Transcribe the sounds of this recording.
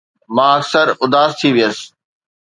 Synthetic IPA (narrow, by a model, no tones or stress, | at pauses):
mãɐksəɾʊd̪aːzt̪ʰiʋijəs̆